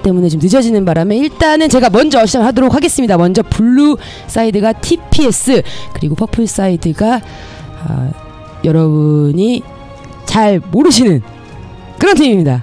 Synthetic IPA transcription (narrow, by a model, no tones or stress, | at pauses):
t͈e̞mune̞t͡ɕomtɯd͡ʑʰʌd͡ʑinɯnbaɾame̞iɭt͈anɯnt͡ɕe̞ɡamʌnd͡ʑʌːɕʰid͡ʑaŋɯɭɦadoɾok̚haɡe̞s͈ɯmɲidamʌnd͡ʑʌpuɭːu | s͈aidɯɡatʰipʰie̞s͈ɯkɯɾiɡopʰʌpʰɯɭs͈aidɯɡa | ʌ̰ | jʌɾʌbuɲi | t͡ɕaɭmoɾɯɕ̬ʰinɯn | kɯɾʌntʰimimɲida